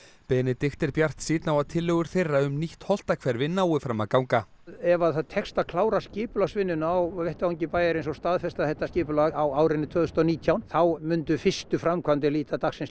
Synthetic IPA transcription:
pɛːnɪt̪ɪxt̪ɪɾpjar̥t̪siːt̪nawaðt̪ʰɪlːœːɣʏɾ̥θejrːaʏmniht̪hɔl̥t̪akʰvɛɾvɪnːawɪfɾamːaðkawŋka | ɛvaðθaðt̪ʰɛkst̪akʰlaːwɾascɪːpʏlasvɪnːʏnawvɛht̪ɪaŋcɪpaːjaɾɪnsɔst̪aːðfɛst̪aðθɛht̪ːascɪːpʏlaawaːwɾɪnːɪt̪ʰvœːðʏst̪ɔniːt̪ʰjawnθawmʏnt̪ʏfɪst̪ʏfɾamkʰvant̪ɪliːt̪at̪aksɪns

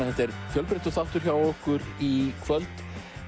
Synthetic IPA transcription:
θɛht̪ɛɾfjœlpɾeht̪ʏθaw̥t̪ʏɾ̥çjawɔhkʏɾikʰvœlt̪

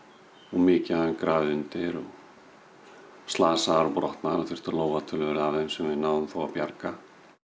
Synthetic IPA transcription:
ɔɣmɪːcɪaɛnkɾaːðʏnt̪ɪɾɔɣ | st̪laːsaaɾpɾɔht̪naɾɔθɪr̥t̪ʏɾloːwvat̪ʰʏlvɛɾavðejnsɛmvɪnaːwðʏmθowawpjaɾka

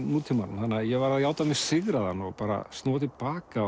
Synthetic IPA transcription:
nuːt̪ʰɪmanmθanːaðjɛɣvaɾaðjaːwt̪amɛ̥sɪɣɾaðanːɔɣpaːɾa̰st̪noːat̪ʰɪlpaːka

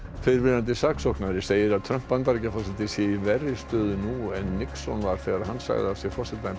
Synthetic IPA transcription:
fɪðɪɾvɪnant̪ɪsaksɔhknaɾɪseːjɪɾaðt̪ʰɾœm̥pːant̪aɾɪcafasat̪ɪsɛvɛrɪst̪œːðʏnuɛnːɪksɔnvaɾ̥fɛɣaɾahansa̰ɣðɪasjɛɣfɔr̥sɛt̪aɪn

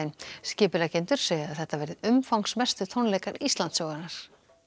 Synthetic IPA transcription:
ɪnscɪːpɪlacejnt̪ʏɾ̥seːjaðθɛht̪avɛːɾɪðʏmfawŋsmɛst̪ʏt̪ʰownlɛːjkaɾist̪lant̪sɔːɣanaɾ̥

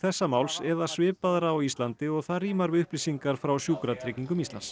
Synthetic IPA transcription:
θɛsːamaːwlsɛðḁsvɪːpaðɾaːwist̪lant̪ɪɔɣθaðriːmaɾvɪʏhplisiŋkaɾ̥fɾawsjuːkɾat̪ʰɾɪciŋkʏmist̪la̰ns

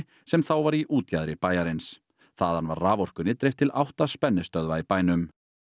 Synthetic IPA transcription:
sɛmθawvaɾiʔuːt̪caðɾɪpaːjaɾɪns | θaðhanvaɾraːvɔr̥kʏnɪt̪ɾejft̪ʰɪlawht̪aspɛnːɪst̪œðvaipaːjnʏm

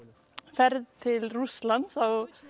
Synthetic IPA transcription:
fɛɾðt̪ʰɪlruslansaw

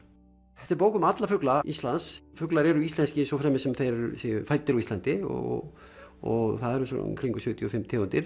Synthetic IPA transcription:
θɛht̪aɾpoːwkʏmat̪lafʏklaist̪lansfʏklaɾɛɾʏist̪ɛnscɪɪnsɔfɾɛmɪsɛmθejɾɾʏsɪʏfajt̪ːɪɾɔist̪ant̪ɪɔ̰ | ɔɣθaðɛɾʏmsɔ̰kʰɾiŋkʏsʏːt̪ʰjʏɔfɪmːt̪ʰeːunt̪ɪɾ̥

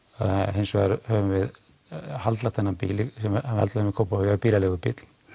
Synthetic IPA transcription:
ɦejnsvɛɣaɾhœːvʏmvɪð | halt̪lat̪ʰɛnːampḭːlɪsɛmhalt̪laʏmvɪkʰoːwpahjapiːlalɛɣʏpɪ̰t̪l̥

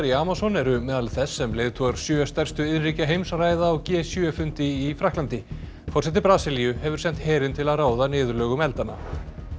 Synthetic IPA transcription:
ɾiaːmasɔnɛɾʏmɛːðalθɛsːɛmleːjðt̪ʰɔːɣaɾ̥sjœːst̪ɛr̥st̪ʏɪðriːcaɦejmsraːjðaɔɣcɛːsjœfʏnt̪ɪifɾaklant̪ɪ | fɔrsɛt̪̬ɪpɾaːsɪlijʏhɛvʏɾ̥sɛn̥t̪hɛːɾɪnt̪ʰɪlaðraːwðanɪːðʏɾlœːɣʏmɛlt̪ana̰

